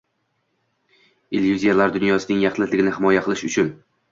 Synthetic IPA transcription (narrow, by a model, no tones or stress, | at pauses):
elʲjuzijalaɾd̪ʊnjɒsɪnɪŋjɑχlɪzlɪɡʲɪnɪhɪmɒjaqʰɨlˠɪʃʊt͡ʃʰʊn